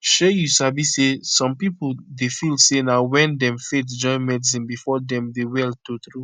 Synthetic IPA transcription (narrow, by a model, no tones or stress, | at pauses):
ʃejusabisesɔ̃mpipudefilsenawɛ̃ndɛ̃mfetd͡ʒɔ̃ɪ̃nmɛdis̬ĩnbifɔdɛ̃mdewɛltotɹu